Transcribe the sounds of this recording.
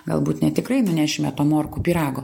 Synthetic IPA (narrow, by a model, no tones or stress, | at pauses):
ɡɐ̰lˠbuːt̪nʲɛt̪ʲɪkrɐɪnʊnʲæːʃʲɪmʲɛt̪oːmoːrkuːpʲiːɾɑːɡoː